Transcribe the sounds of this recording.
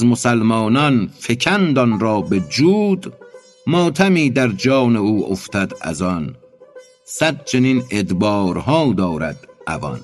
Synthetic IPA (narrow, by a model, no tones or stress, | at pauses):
zmosælmɒːnɒnfekʰænd̪ɒnɾɒːbed͡ʒuːd̪ | mɒːt̪ʰæmiːd̪æɾd͡ʒɒːneuːoft̪ʰæd̪æ̰zɒn | sæd̪̚t͡ʃʰenined̪bɒːɾhɒːd̪ɒːɾæd̪ʔæ̰vɒ̰n